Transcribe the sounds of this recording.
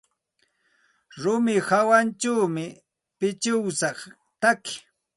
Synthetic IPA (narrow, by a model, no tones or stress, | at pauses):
ɾʊmɪhawant͡ʃawmɪ | pɪt͡ʃɪwsɑχ | t̪akɪ̥